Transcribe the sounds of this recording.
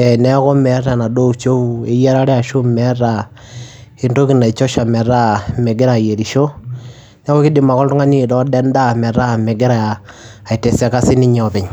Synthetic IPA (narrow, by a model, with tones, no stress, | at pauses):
e˨nɛ˦kɔ˦mɛ˨˦ɾa˨na˨do˦t͡ʃo˦u˦e˦jɛ˦ɾa˦ɾɛ˦a˨ʃo˦mɛ˦ɾa˨ | i˦nto˦ki˨na˨i˨t͡ʃɔ˦ʃa˨mɛ˨ɾa˦mɛ˨ɡɪ˦ɾa˨je˨ɾi˨ʃo˦ | nɛ˦kɔ˦kɪ˦dɪ˨ma˨kɔ˦ltʊ˦ŋa˦ni˦˨dɔ˦dɛ˦n˦da˦˨mɛ˨ɾa˦˨mɛ˨ɡɪ˦ɾa˨a˨ | a˨i˨te˨sa˦ka˦sɪ˦nɪ˦ɲɛ˨ɔ˨pɪ˨ɲ